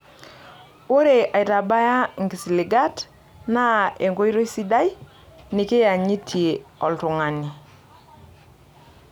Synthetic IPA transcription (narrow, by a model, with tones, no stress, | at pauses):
o˦ɾe˨ʔa˨i˨ɾa˨ba˦ja˦ŋɡi˨si˨li˨ɡa˦t | na˦e˨ŋɡo˦i˦ɾo˦i˦si˦da˦j | ni˨ke˦ja˨ɲi˦tʰje˨ɔ˨ltu˨ŋa˨ni˨